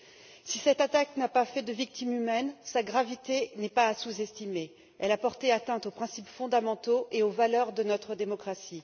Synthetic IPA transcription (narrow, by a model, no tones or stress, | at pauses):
sisɛt̪at̪aknapafɛd̪əvik̚t̪imymɛnsaɡʁavit̪enɛpaːsuzɛst̪ime | ɛlapɔʁt̪eat̪ɛ̃t̪opχɛ̃sipfɔ̃d̪amɑ̃t̪oʔeovalœʁd̪ənɔt̪χəd̪emɔkχasi